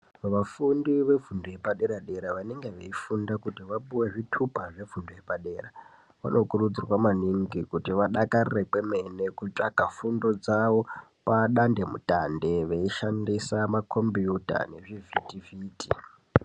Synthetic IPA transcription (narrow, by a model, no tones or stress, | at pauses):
ʋafundiʋe̞vundoje̞paɗe̞ɾaɗe̞ɾaʋaneŋɡe̞ʋeifundakutiʋaɓuwe̞ʐitʰupaʐe̞vunduje̞paɗe̞ːra | ʋa̰no̞kurud͡zirwamaniŋɡikutiʋaɗakarirekweme̞ne̞kut͡ʂʼakafundo̞d͡zaʋo̞paɗande̞mṵtandeʋeiʃandisamakʰo̞mbijuta̰ne̞ʐivʱitiviːti